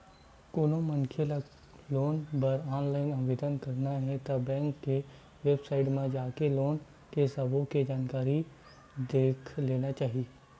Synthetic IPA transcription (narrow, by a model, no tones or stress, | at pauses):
koːnõmənkʰela | loːnpɐɾɔːnlaːɪnɐʋeːd̪ənkɐɾnaɦɛ̃t̪ɐbɛ̃ːŋkːe | ʋeːbsaːɪʈmẽd͡ʒaːkeloːn | kesɐbʱõked͡ʒaːnkaːɾi | d̪eːkʰleːnat͡ʃaːɦieː